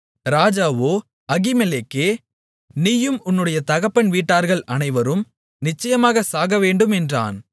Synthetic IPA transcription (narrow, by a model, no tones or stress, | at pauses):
ɾaːd͡ʒaːʋoː | ɐɣɪmɛleːkːeː | niːjɯmʊnːɯɽɐjɐt̪ɐɣɐpːɐɳʋiːʈːaːɾɣɐɭʔɐnɐɪʋɐɾɯm | nɪt͡ʃːɐjɐmaːɣɐsaːɣɐʋeːɳɖɯmɛndra̰ːn